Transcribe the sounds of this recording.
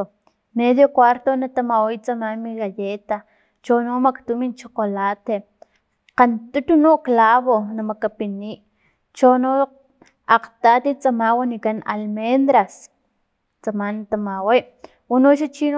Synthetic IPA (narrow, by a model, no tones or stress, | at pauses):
meðjokwaɾt̪onat̪amawijt͡samamiɣajet̪a | t͡ʃonomakt̪umint͡ʃoqolat̪e | qant̪ut̪unoklaβonamakapiniːʔ | t͡ʃono | aqt̪at̪it͡samawanikana̰lmend̪ɾas | t͡samanat̪amaweʔ | wanoʃat͡ʃi